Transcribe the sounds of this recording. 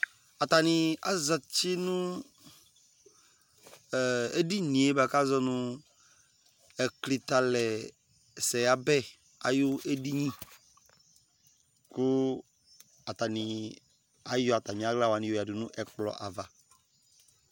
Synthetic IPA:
a˨t̪a˨nɪ̃˨a̰˦zɔ˨t͡ɕɪ˦nʊ̃˦˨ | e˦di˦nĩ˨e˦ba˨ka˦zɔ˦nʊ̃˦ | ɛ˨kli˨t̪a˨lɛ˨ | sɛ˨ja˨bɛ˦ | a˨jʊ˦ʔe˦di˦ɲĩ˦ | kʊ˦ | a˨t̪a˨nĩ˨ | a˦jɔ˦˨a˨t̪a˨mĩ˨a˦ɡla˦wa˨nĩ˨o˨a˨dʊ˨nʊ̃˦ʔɛ˨k͡plɔ̰˨ʔa̰˨va˨

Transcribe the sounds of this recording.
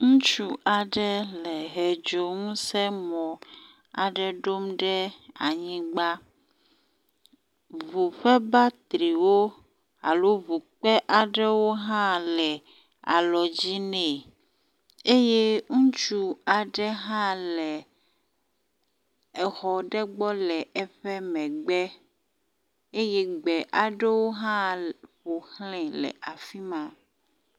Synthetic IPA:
ŋũ˦t͡ʃu˦ʔa˨ɖɛ˦lɛ˨ɦɛ˨d͡ʒo˨ŋũ˦sɛ˦mɔ̃˨ | a̰˨ɖɛ˦ɖo˦mɖɛ˦a˨ɲĩ˦ɡ͡ba˦ | vu˨ɸɛ˦ba˦t̪ɾi˨wo˦ | a˨lo˦vu˨k͡pɛ˦ʔa˨ɖɛ˦wo˦ɦã˦lɛ˨ | a̰˨lɔ˨d͡ʑi˦nɛ̃˨ | e˦je˦ŋũ˦t͡ʃu˦a˨ɖɛ˦ɦã˦lɛ˨ | ɛ˨xɔ˨ɖɛ˦ɡ͡bɔ˦lɛ˨ɛ˨ɸɛ˦mɛ̃˨ɡ͡bɛ˦ | e˦je˦ɡ͡bɛ˨ʔa˨ɖe˦wo˦ɦã˦ɸo˨xlɛ̃˨lɛ̰˨ʔa˨fi˦mã˨

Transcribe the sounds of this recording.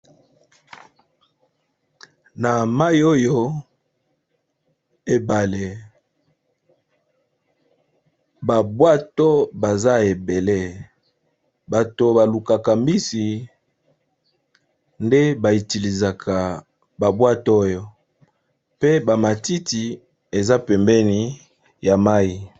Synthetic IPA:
na˨ma˦i˨˦o˦jo˦ | e˨ba˨le˨ | ba˨bwa˦tɔ˦ba˨za˦e˨be˨le˦˨ | ba˨to˨ba˨lu˨ka˨ka˨mi˦si˨ | nde˦ba˨i˨ti˨li˨za˨kʰa˨ | ba˨bwa˦to˦jo˦ | pe˦ba˨ma˨ti˦ti˨ | e˨za˦pɛ˨mbɛ˦ni˨ | ja˨ma˦i˨

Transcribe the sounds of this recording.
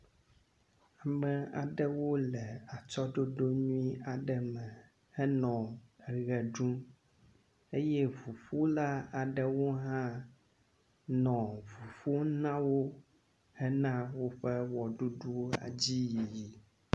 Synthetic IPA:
a˨mɛ̃˨a̰˨ɖɛ˦wo˦lɛ˨a˨t͡ʃɔ˦ɖo˦ɖo˦ɲũ˦i˦a˨ɖɛ˨mɛ̃˨ | hɛ˦nɔ̃˨ɛ˨ɣɛ˨ɖu˦m | e˦jɛ˦vu˨ɸu˦la˦a˨ɖɛ˦wo˦ɦã˦ | nɔ̃˨vu˨ɸo˦nã˦wo˦ | hɛ˦nã˦wo˦ɸɛ˦wɔ˨ɖu˦ɖu˦a̰˨d͡ʑi˦ji˨ji˨

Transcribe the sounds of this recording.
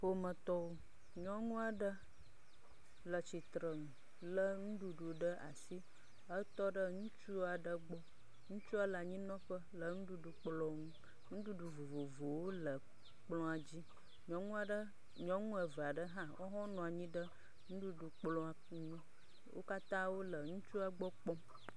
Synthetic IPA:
ɸo˦mə̃˨t̪ɔ˦wo˦ | ɲɔ̃˦ŋũ˦a˨ɖə˦ | lə˨t͡ɕi˨t̪ɾə˨ŋũ˨ | lə˦ŋũ˦ɖu˨ɖu˨ɖə˦ʔa̰˨si˦ | ə˦t̪ɔ˦ɖə˦ŋũ˦t͡ʃu˦a˨ɖə˦ɡ͡bɔ˦ | ŋũ˦t͡ʃu˦a˨lə˨a˨ɲĩ˦nɔ̃˦ɸə˦lə˨ŋũ˦ɖu˦ɖu˨k͡plɔ̃˦ŋũ˦ | ŋũ˦ɖu˦ɖu˨vo˨vo˨vo˨wo˦lə˨ | k͡plɔ̃˦a˨d͡ʑi˦ | ɲɔ̃˨ŋũ˦a˨ɖə˦ | ɲɔ̃˨ŋũ˦ə˨və˨a˨ɖə˦ɦã˦wʔo̰˦ɦɔ̃˦nɔ̃˨a˨ɲĩ˦ɖə˦ | ŋũ˦ɖu˦ɖu˨k͡plɔ̃˦a˨˦ɲũ˦ | wʔo̰˦ka˦t̪ã˦wo˦lə˨ŋũ˦t͡ʃu˦a˦ɡ͡bɔ˦k͡pɔ˦m

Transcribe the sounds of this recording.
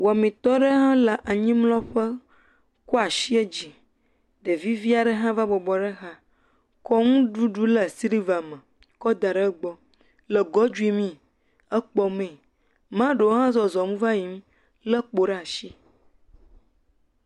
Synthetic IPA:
wmĩ˨t̪ɔ˦ɖə˦ɦã˦lə˨ʔa˨ɲĩ˦mlɔ̃˦ɸə˦ | ko˦a˨ʃi˦e˦d͡ʑi˨ | ɖ̪ə˨vi˦vi˦a˨ɖə˦ɦã˦va˦bɔ˨bɔ˨ɖə˦ɣa˦ | kɔ˦ŋũ˦ɖu˦ɖu˦lə˨si˦ɾi˦va˨mə̃˨ | kɔ˦d̪a˨ɖə˦ɡ͡bɔ˦ | lə˨ɡɔ˦d͡ʒu˦i˦mĩ˦ | ə˦k͡pɔ˦mɛ̃˨ | mã˦ɖe˨wo˦ɦã˦zɔ˨zɔ˨mũ˦va˦ji˨m̩˦ | lə˦k͡po˨ɖɛ˦a˨ʃi˦

